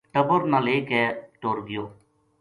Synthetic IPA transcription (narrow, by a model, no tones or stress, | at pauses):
ʈəbəɾnaleːkɛːʈoːɾɡɪjoː